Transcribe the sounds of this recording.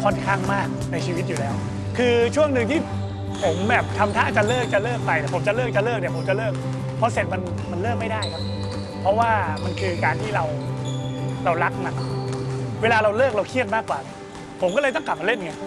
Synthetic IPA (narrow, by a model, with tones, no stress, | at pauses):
kʰɔ˥˩nkʰaː˥˩ŋmaː˥˩k̚na˧jt͡ɕʰiː˧wi˦t̪̚juː˨˩lɛː˦˥w | kʰɯː˧t͡ɕʰu˥˩əŋnɯ˧ŋt̪ʰiː˥˩ | pʰo˩˦mbɛː˨˩p̚t̪ʰa˧mt̪ʰa̰ː˦˥t͡ɕa˨˩lɤː˥˩k̚t͡ɕa˨˩lɤː˥˩k̚pa˧jd̪ɛː˨˩pʰo˩˦mt͡ɕa˨˩lɤː˥˩k̚t͡ɕa˨˩lɤː˥˩k̚nɛ˧˨˩pʰo˩˦mt͡ɕa˨˩lɤː˥˩k̚ | pʰɔ˦˥se˨˩t̪̚ma˧n | ma˧nlɤː˥˩k̚ma˥˩jdaː˥˩jkʰa˦˥p̚ | pʰɾɔ˦˥waː˥˩ma˧nkʰɯː˧kaː˧nt̪ʰiː˥˩ɾa˧w | ɾa˧wla˦˥k̚na˨˦˩k̚weː˧laː˧ɾa˧wlɤː˥˩k̚ɾa˧wkʰi˥˩ət̪̚maː˥˩kːwaː˨˩ | pʰo˩˦mkɔ˥˩lɤː˧jt̪ɔ˥˩ŋkla˨˩p̚ːa˧le˥˩n˨˧ŋa˧˩j